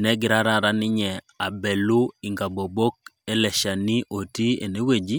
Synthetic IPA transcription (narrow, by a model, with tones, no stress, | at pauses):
nɛ˦ɡɪ˨ɾa˦ɾa˦ɾa˦nɪ˦ɲɛ˨ | a˨bɛ˨lu˦ɪ˨ŋɡa˨bo˨bo˦k̚ | ɛ˦lɛ˨ʃa˨ni˦ʔo˨ti˦ḛ˨ne˦we˨d͡ʒi˦